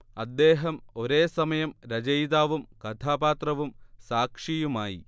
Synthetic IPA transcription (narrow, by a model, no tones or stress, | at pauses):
ɐd̪ːe̞ːɦɐmo̞ɾe̞ːsɐmɐjɐmɾɐd͡ʑɐjðaːʋumkɐt̪ʰaːbaːt̪rɐʋumsaːkʂijumaːjḭ